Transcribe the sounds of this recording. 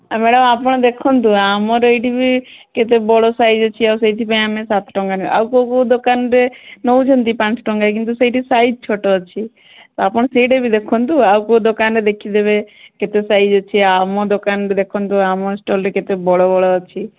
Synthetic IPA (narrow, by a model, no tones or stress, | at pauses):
ameɽəmaːpəɽ̃d̪ekʰɔnt̪uaːmoɾəɪʈibʱiket̪ebɔɽosaːid͡ʒɔt͡ʃʰiasət̪ipə̃amẽsat̪ʰʈɔŋɡan̰ʔa̰wkokod̪okaːnɾenoũd͡ʒʱənt̪ipãːt͡ʃʈɔŋɡak̬ɪnt̪usəiʈisaːid͡ʒt͡ʃʰoʈot͡ʃʰi | t̪oaːpəɳ̃seiɖebʱid̪ekʰont̪uaukod̪okaːnɾed̪ekʰid̪ebeket̪esaːid͡ʒɔt͡ʃʰiamod̪okaːnɾid̪ekʰɔnt̪uaːmosʈoːlɾeket̪ebɔɽobɔɽot͡ʃʰi